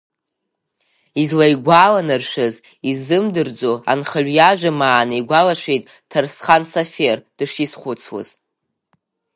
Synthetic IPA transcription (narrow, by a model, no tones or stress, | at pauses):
izlajɡʷalanɨrʃʷᶣɨz | izɨmdɨrd͡zoa̰nχəɥʷjaʒʷᶣamaːnɨjɡʷalaʂejtʼ | tʰarsχansaferd̥ɨʂisχʷʊt͡sʰwa̰z̥